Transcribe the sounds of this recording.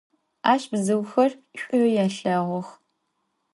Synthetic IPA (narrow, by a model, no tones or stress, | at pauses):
aːɕbzɨwxɐrɕʷʼʊjaːɬɐʁʷɔx